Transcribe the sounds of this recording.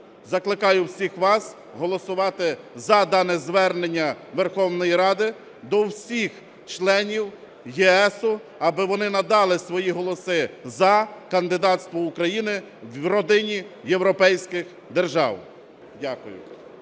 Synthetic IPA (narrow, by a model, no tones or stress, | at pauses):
zɐklˠɪkɑjʊwsʲixʋɑs | ɦɔlˠɔsʊʋɑt̪ɪ | zɐd̪ɑnɛzʋɛrnenʲːɐʋerxɔwnɔjiɾɑd̪ɪ | d̪ɔwsʲix | t͡ʃlˠɛnʲiw | jɛɛsʊ | ɐbɪʋɔnɪnɐd̪ɑlˠɪsʋɔjiɦɔlˠɔsɪzɐkɐnd̪ɪd̪ɑt̪st̪ʋɔʊkɾɐjinɪ | wrɔd̪ɪnʲijewɾɔpɛjsʲkɪx | d̪erʒɑ̰w | dʲakʊjʊ̰